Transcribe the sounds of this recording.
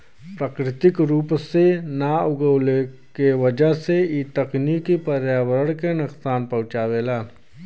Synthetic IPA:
pɾaːkɾɪt̪ɪkɾuːpsenaʊɡəwle | kewəd͡ʒəseiːt̪ɐqnikipəɾjaːwəɾəɽkenɐqsaːnpɐʊt͡ʃaːweːlaː

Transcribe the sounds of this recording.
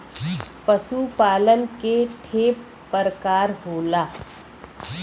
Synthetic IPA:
pəsupaːləlkeʈʰeːpː | əɾkaːɾɦoːlaː

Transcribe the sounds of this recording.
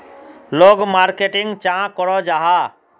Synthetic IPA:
loɡmaɾkeʈɪŋɡt͡ʃãkɔɾɔd͡ʒaːɦa

